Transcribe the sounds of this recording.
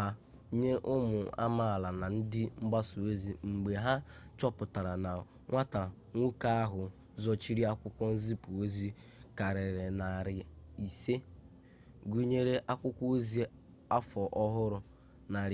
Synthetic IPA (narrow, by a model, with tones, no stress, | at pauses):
a˦ | ɲe˦ʔʊ˦mʊ˨a̰˦ma˦˨la˨na˨n̩˦dɪ˦ŋ͡m̩˦ɡ͡ba˦su˨e˦zi˨ŋ͡m̩˨ɡ͡be˨ɦa˦t͡ʃɔ˦pʊ˨ta˨ɾa˨na˨ | ŋʷa˦ta˨ | ŋʷu˦ka˦a˦ɦʊ˨ | zɔ˦t͡ʃi˦ɾi˦a˦kʷʊ˦kʷɔ˦n̩˦zi˦pu˨o˦zi˦ | ka˨ɾɪ˨ɾɪ˨na˨ɾɪ˨i˨se˦ | ɡu˦ɲe˦ɾe˦ʔa˦kʷʊ˦kʷɔ˦o˦zi˦ | a˦fɔ˨ʔɔ˦ɦʊ˦ɾʊ˨ | na˨ɾ